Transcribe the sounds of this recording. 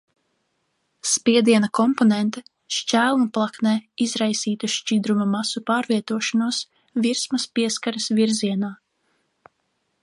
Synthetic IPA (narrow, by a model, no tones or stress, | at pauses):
spiɛd̪iɛnakɔmponɛnt̪ɛ | ʃt͡ʃæːlˠunplˠaknɛːizɾajsiːt̪uʃt͡ʃid̪ɾumamasupaːɾviɛt̪uɔʃanuɔs | viɾsmɐspiɛskaɾɐsvʲiɾziɛnaː